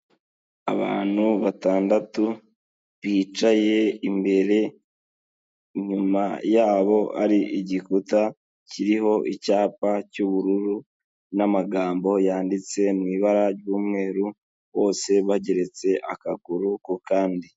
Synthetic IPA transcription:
aβa̰ːn̥huβataːndatu | βiːt͡ʃaje̞imbe̞ɾe̞ | ɲumajaːβo̞a̰ɾiʔiɟikuta | ciɾiɦo̞ʔicaːpacuβuɾuɾu | namaɡaːmbo̞jaːndit͡se̞nŋiːβaɾaɾɟuːmŋe̞ːɾu | βo̞ːse̞βaɟe̞ɾe̞t͡se̞ʔakaɡuɾukukaːndi

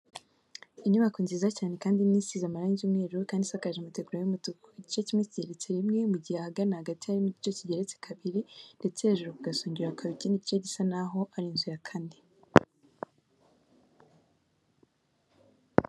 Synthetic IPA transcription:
iɲuβakuːnzizacaːne̞kaːndimiːsizamaɾaːɲɟumŋeːɾukaːndisakaʒemute̞ɡuɾajumutukoiɟit͡ʃecimŋeciɟe̞ɾet͡seɾimŋe̞muɟihehaɡanahaɡatiaɾimuɟit͡ʃo̞ciɟe̞ɾet͡se̥kʰaβiɾinde̞t͡seaʒuɾekuɡasoːɲɟiɾakʰaβiciːniɟit͡ʃeɟisanaɦo̞ʔaɾinziɾakʰaːndi

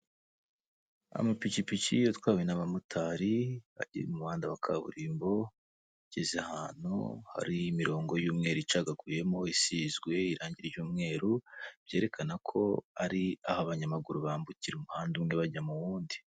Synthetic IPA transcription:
a̰mapicipicijotwaːenaβamutʰaɾiβa̰ɟḭɾemumuβaːndawakʰaβṵɾiːmbo̞ | ɟezahaːn̥hṵha̰ɾiːmiɾo̞ːŋɡo̞juːmŋe̞ːɾuit͡ʃaːɡaɡuje̞mo̞isizɡwe̞iɾaːɲɟiɾejuːmŋe̞ːɾub̥je̞ːɾe̞kʰanakʰo̞̰aɾia̰haβaɲamaɡuɾuβaːmbuciɾemuhaːndumŋe̞βaɟamuβuːndi

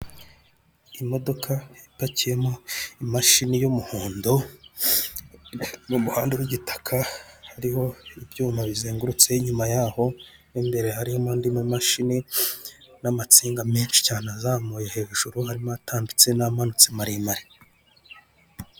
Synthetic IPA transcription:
imo̞do̞kʰajipacije̞moimaʃinijomuhuːndo | mumuhaːnduɾwiɟitḁkʰahaɾiho̞ibjuːmaβizeːŋɡuɾut͡se̞iɲumajaːho̞ | nimbe̞ɾe̞haɾihomaːndimumaʃini | namat͡siːŋɡame̞ːnʃi̥caːneazaːmuːjehe̞ʒuʒ̥uɾuhaɾimoatʰaːmbit͡se̞namanut͡simaɾimaɾi̥

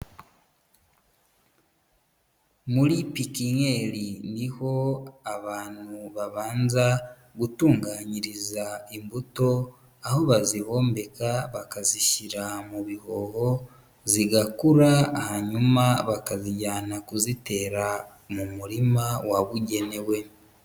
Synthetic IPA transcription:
muɾipikiɲeɾiniho̞aβaːnuβaβaːnza | ɡutuːŋɡaːɲiɾizaimbuto̞ | aho̞βaziho̞ːmbe̞kaβakaziʃiɾamuβiho̞ho̞ | ziɡakuɾaːhaɲumaβakaziɟaːnakuzite̞ːɾa | mumuɾimawaβuɟe̞ne̞we̞

